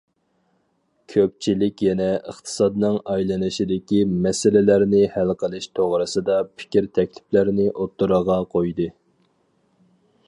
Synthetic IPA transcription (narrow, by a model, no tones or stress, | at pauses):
kʲʰøp̚t͡ʃʰilɪkʲjɛnɛəχt̪ʰɨ̥sɑd̪nɨŋɑjlˠɑnɨʃid̪ɪkʲimɛsɪlɪlæɾnɪhælqʰəlˠɨʃt̪ʰoʁɾɨsɨd̪ɑpʰɪ̥kʲɾt̪ʰɛkʲlɪplæɾnɪʔot̪ːuɾəʁɑqʰojd̪ɨ